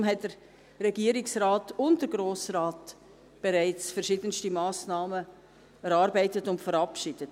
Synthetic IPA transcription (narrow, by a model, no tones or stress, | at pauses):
mɦɛt̚d̥əɾ | ɾɛɡiːəɾɪksraːtʊntdəɾɡɾoːsrɑːt | b̥eɾæɪt͡sfəɾʃɪdənstimɑːsnɑːmə | ɛɾɑːɾbæɪtətʊntfəɾɑpʃɪd̥ət